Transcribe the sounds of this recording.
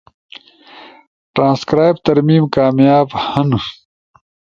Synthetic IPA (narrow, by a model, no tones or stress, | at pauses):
ʈɾãːnskɾaːjb̚t̪ɐɾmiːmkaːmjaːbhɐnu